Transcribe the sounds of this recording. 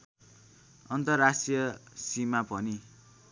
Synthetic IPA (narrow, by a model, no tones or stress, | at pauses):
ʌnt̪ʌrːasʈijʌsimapʌni